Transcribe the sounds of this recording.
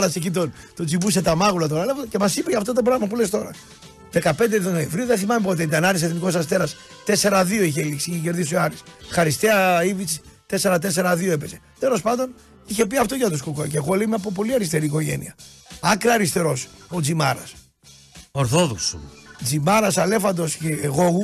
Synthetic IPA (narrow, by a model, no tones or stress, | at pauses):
ɾɐsecit̪on | t̪od͡zipuset̪ɐmɐɣulɐt̪oɾɐlevocemɐsipecɐft̪ot̪̬obɾɐɣmɐpulest̪o̞ɾɐ̰ | ðekɐpe̞nd̪eðooẽɱvɾiuðeθimɐmipo̞t̪eit̪ɐnɐɾis̬eθniko̞s̬ɐst̪e̞ɾɐst̪e̞se̞ɾɐðio̞içeliksiiçece̞ɾðisoɐɾisxɐɾist̪eɐivit͡si̥t̪e̞seɾɐt̪ese̞ɾɐðio̞e̞pe̞se̞ | t̪e̞lo̞spɐnd̪o̞n | içe̞piɐft̪oʝɐt̪uskukoceɣoleimepop̬o̞liɐɾist̪e̞ɾiːko̞ʝe̞̰nḭɐɐkɾɐːɾist̪e̞ɾo̞sod͡zimɐɾɐ̰s | oɾθoðoksṵmd͡zimɐɾɐsɐle̞fɐnd̪o̞sceːɣo̞ɣu